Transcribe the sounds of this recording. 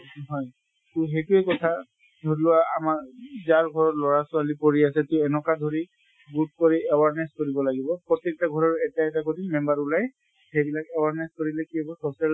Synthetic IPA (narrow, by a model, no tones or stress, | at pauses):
ɦɔj | tʊxejtʊɛkɔtʰa | dʱɔɹlʊwaːmaɹzaɹɡʱɔɹɔtlɔɹasʊalipoɹiasɛtʊɛnɔkadʱoɹi | ɡut̚koɹiɛwaɹnaskoɹibɔlaɡibɔpɹɔtːɛk̚taɡʱɔɹaɹuɛtaɛtakodimɛmbaɹulaj | xejbilakɛwaɹnajskoɹilɛkiɛbɔsɔsia